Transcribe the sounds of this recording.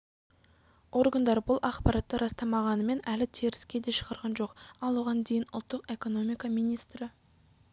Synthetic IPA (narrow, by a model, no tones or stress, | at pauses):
o̞ɾɡand̪ɑɾbʊlˠɑqpɑɾɑt̪ːəɾʔɑst̪ɑmɑʁɑnəme̞nælɪt̪ʰeɾɪskʲe̞d̪e̞ʃə̥ʁɑɾʁɑnʒo̞qɑlˠuʁɑnd̪e̞jɪnʊ̰lˠt̪ːəqe̞ko̞no̞mijkamijnijst̪ɾɪ